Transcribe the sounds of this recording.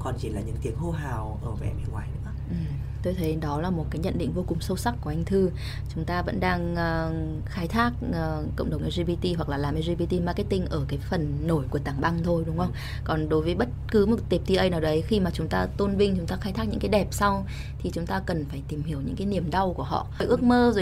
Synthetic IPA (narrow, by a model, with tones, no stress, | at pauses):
kɔ˨˩nt͡ɕi˧˩laː˨˩ɲɨ̰˧˥ŋt̪i˨˩ək̚ho˧ɦaː˨˩wʔəː˧˩vɛ̰˧˩mḭ˨˧˨ŋwaː˧˩jɗɨ̰˧˥ə˧ʔɨ˨˩m | t̪o˧jt̪ʰe˨˦ɗɔ˨˦laː˨˩mo˨˩t̚kaː˨˦jɲə̰˧˨nɗḭ˧˨ŋ̟vo˧kʊ˨˩ŋ͡msə˧wsa˦˥k̚kːu˧˩əʔa˧ŋt̪ʰɨ˧ | t͡ɕʊ˨˦ŋ͡mt̪aː˧və̰˧˥nɗaː˧ŋʔː | xaː˨˦jt̪ʰaː˦˥k̚ʔəː˨˩kə̰˧˨wŋ͡mɗə˨˩wʔa˧zi˧ɓi˧t̪i˧hwa˨˩k̚laː˨˩laː˨˩mʔɛ˧zi˧ɓi˧t̪i˧maː˧ke˦˥t̪̚ï˧ŋ̟ʔəː˧˩kaː˨˦jfə˨˩nːo˧˩jku˧˩ət̪aː˧˩ŋɓa˧ŋt̪ʰo˧jɗʊ˨˦ŋ͡mʔə˧wŋ͡m | kɔ˨˩nɗo˨˦jvəː˨˦jɓə˦˥t̚kɨ˨˦mo˨˩t̚t̪i˨˩p̚t̪i˧ʔə˧jnaː˨˩wɗə˨˦jxi˧maː˨˩t͡ɕʊ˨˦ŋ͡mt̪aː˧t̪o˧nvï˧ŋt͡ɕʊ˨˦ŋ͡mt̪aː˧xaː˨˦jt̪ʰa˦˥k̚ɲɨ̰˧˥kaː˨˦ɗɛ˨˩p̚sa˧w | t̪ʰi˨˩t͡ɕʊ˨˦ŋ͡mt̪aː˧kə˨˩nfaː˧˩jt̪i˨˩mhi˧˩əwɲɨ̰˧˥ŋkaː˨˦jni˧˩əmɗa˧wku˧˩əhɔ̰˧˨˧jʔɨ˦˥ək̚məː˧zo˨˩˨